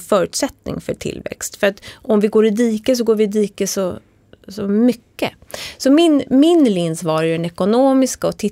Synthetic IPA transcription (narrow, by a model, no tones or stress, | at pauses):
fœːɾʉ̟ːt̪sɛt̪nɪ̰ŋfœʈʰɪ̰lːvɛ̰kst̪fœɾat̪ɔmvɪɡoːɾɪd̪iːkəs̬ɔɡoːɾvɪd̪iːkəsɔ | sɔmʏkːə̰ | sɔmɪnmɪnlɪnsvɑːɾjɵɛnɛkʊnoːmɪskaɔt̪ʰɪ